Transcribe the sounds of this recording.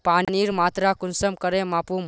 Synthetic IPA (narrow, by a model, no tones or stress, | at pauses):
panniɾmaːt̪ɾakunsəmkəɾẽmapu